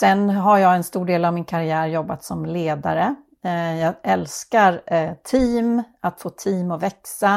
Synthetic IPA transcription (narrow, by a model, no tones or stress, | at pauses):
sɛnɦaɾjɑːɡɛnst̪uːɖeːlavmɪnkʰaɾɪæːɾjɔbːat̪sɔmleːd̪a̰ɾə | jɑːʔɛlskaɾt̪ʰiːmat̪foːt̪ʰiːmɔvɛksa